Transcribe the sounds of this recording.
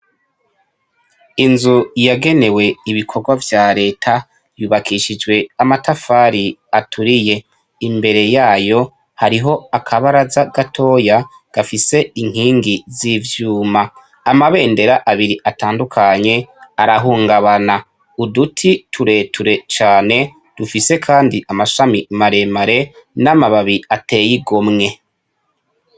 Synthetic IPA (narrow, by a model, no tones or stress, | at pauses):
inzujaɡe̞ne̞we̞iβikʰo̞ɡwavjaːɾe̞ːtʰa | juːβakʰiʃid͡ʒɡwe̞amatafaːɾiatʰuɾije̞ | imbe̞ɾe̞jaːjo̞ | haɾiɦo̞akʰaβaɾazaɡ̥atʰo̞ːja | ɡ̥afise̞iŋ̥hiːŋɡizivjuːmaː | maβe̞ːnde̞ɾaʔaβiɾiʔataːndukʰaɲe̞aɾaɦuːŋɡaβana | udutʰitʰuɾe̞tuɾe̞t͡ʃaːne̞ | d̥ufise̞kʰaːndiʔamaʃamimaɾe̞maɾe̞namaβaβiate̞ːjiɡo̞mŋe̞